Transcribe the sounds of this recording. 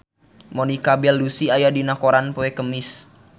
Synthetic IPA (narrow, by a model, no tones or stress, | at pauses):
monikabɛlːusiajadinakoɾanpoekəmɪs